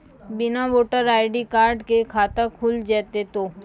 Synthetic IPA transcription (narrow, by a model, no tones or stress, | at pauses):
bɪnaʋoːʈəɾaːɪɖikaːɾɖkekʰaːt̪akʰuld͡ʒɛːt̪et̪oː